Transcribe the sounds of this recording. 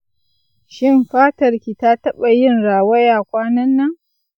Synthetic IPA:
ʃɪ˦mɸaː˦tɐ˨rkʲiː˨ta˦tɐ˦ɓa˨jɪ˦nɽaː˨wɐ˦jaː˨kʷaː˦nɐ˦nːɐ˦ŋ

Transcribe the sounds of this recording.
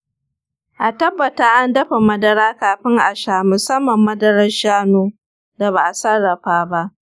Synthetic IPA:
ʔa˨tɐ˦bːɐ˨taː˦ʔa˦ndɐ˦ɸa˨mɐ˦dɐ˦ɾaː˦kaː˨ɸɪ˦ŋʔa˨ʃaː˦˨mʊ˨sɐ˦mːɐ˨mːɐ˦dɐ˦ɾɐ˦ʃaː˦noː˦ | da˨baː˨ʔa˨sɐ˦rːɐ˨ɸaː˦ba˦ʔ

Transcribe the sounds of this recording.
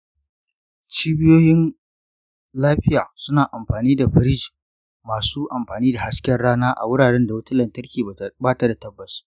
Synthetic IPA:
t͡ʃiː˦bɪ˦joː˦jɪ˦n | laː˦ɸɪ˦jaː˨sʊ˦naː˨ʔa˨mɸaː˨niː˦da˨ɸɪ˨˦ɾɪ˦d͡ʒi˨ | maː˨suː˦ʔa˨mɸaː˨niː˦da˨ha˦skʲɛ˦rɽaː˦naː˦ʔa̰˨wʊ˦ɽaː˨ɽɛ˦nda˨wɐ˦ta˦lɐ˨ntɐ˦rkʲiː˨baː˦ta˦da˨tɐ˦bːɐ˨su̥˦

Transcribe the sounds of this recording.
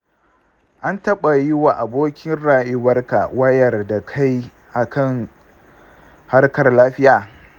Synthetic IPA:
ʔa˦ntɐ˦ɓa˨jɪ˦waː˨ʔa˨boː˦kʲɪ˦nɽaː˨jɪ˦wɐ˦rka˨wɐ˦jɐ˨rda˨kʰa˦j | ʔa˨kʰɐ˦˨ŋ | ha˦rkɐ˨rlaː˦ɸɪ˦jaː˨

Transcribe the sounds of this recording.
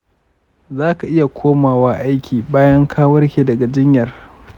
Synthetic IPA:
zaː˦ka˨ʔɪ˦ja˨kʷʰoː˦maː˨waː˦ʔa˦jkʲiː˨baː˦jɐ˦ŋkʰaː˦wɐ˦rkʲeː˨dɐ˨ɡa˨d͡ʒɪ˦ɲjɐ˨r

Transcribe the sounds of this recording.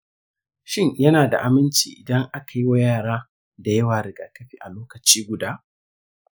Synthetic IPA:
ʃɪ˦ɲjɐ˦naː˨da̰˨ʔa˨mɪ˦nt͡ʃḭː˨ʔɪ˨dɐ˦ŋʔa˦ka˨ji˦wa˦jaː˦˨ɽaː˦ | da˨jɐ˦waː˨ɾɪ˨ɡaː˨kɐ˦ɸḭː˨ʔa˨loː˦kɐ˨t͡ʃiː˦ɡʷʊ˨daː˦

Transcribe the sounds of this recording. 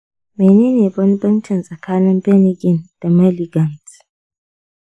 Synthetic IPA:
meː˨neː˦neː˨bɐ˦n˦bɐ˦nt͡ʃɪ˨nsʼɐ˨kʰaː˦nɪ˦mbɛ˦nɪ˦ɡʲɪ˨nd̥a˨mɛ˦lɪ˨ɡɐ˨nt

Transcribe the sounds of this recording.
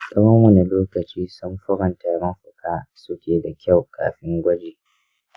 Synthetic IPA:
sʼɐ˦wɐ˦mːu˨na˨loː˦kɐ˨t͡ʃiː˦sʊ˦mɸʊ˦ɾɐ˨nta˨˦ɾɐ˦mɸʊ˨kʰaː˦sʊ˦kʲeː˨da˨kʲa˦˨wka̰ː˨ɸɪ˦ŋɡʷɐ˦d͡ʒeː˨

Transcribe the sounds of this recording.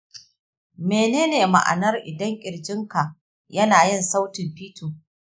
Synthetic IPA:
meː˨neː˦neː˨ma̰˨ʔa̰˨nɐ˦rʔɪ̰˨dɐ˦ŋkʲʼɪ˨ɽd͡ʒɪ˦ŋka˨ʔ | jɐ˦naː˨jɪ˦˨nsa˦wtɪ˨mɸiː˦tuː˨

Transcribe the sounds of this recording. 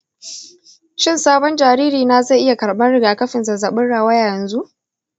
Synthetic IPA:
t͡ʃɪ˦nsaː˦bɔ˦nd͡ʒaː˨ɾiː˦ɾiː˨na˨za˦˨ʔɪ˦ja˨kɐ˨ɽɓɐ˦nɽɪ˨ɡaː˨kɐ˦ɸɪ˨nzɐ˨zɐ˨ɓɪ˦nɽaː˨waː˦jaː˦˨jɐ˨nzu˦ʔ

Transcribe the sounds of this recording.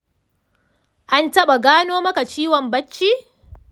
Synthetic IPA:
ʔa˦ntɐ˦ɓa˨ɡaː˦noː˦mɐ˦ka˨t͡ʃiː˦wɔ˨mbɐ˦t͡ʃːiː˦

